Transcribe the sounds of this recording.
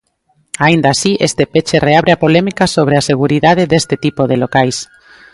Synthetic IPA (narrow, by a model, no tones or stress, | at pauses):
aind̪asiʔest̪epet͡ʃereaβɾeapolɛemikasoβ̞ɾeaseɣ̞uɾiðað̞eðest̪et̪ipoðelokajs